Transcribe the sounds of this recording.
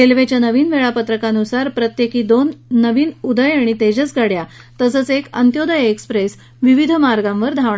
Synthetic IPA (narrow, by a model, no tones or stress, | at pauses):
kelʋet͡ɕjanəʋiːnʋeɭapət̪ɾəkanusaɾpɾət̪jekiːd̪onːəʋiːnud̪əjaɽ̃it̪ed͡ʑət͡sɡaɽja | t̪əsət͡sekə̰nt̪jod̪əjekspɾes | ʋiʋid̪ʱəmaɾɡãmʋəɾd̪ʱaʋɳ